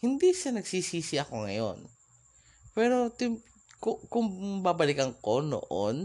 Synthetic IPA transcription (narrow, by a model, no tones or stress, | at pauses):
hɪnd̪isanɐɡsiːsiːsɪʔɐko̞ŋɐ̰jo̞̰n | pɛːɾo̞t̪ɪm | kʊkʊŋbabɐlɪkɐŋkono̰ʔo̰n